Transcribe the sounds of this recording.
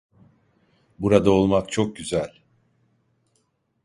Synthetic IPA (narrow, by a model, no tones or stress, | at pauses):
buɾad̪aolˠmak̚t͡ʃʰo̞k̚ɟyzælʲ